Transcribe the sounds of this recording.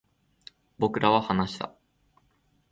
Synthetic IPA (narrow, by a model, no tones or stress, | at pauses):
bo̞kɯ̟ɾʔaβahanaɕi̥t̪a̰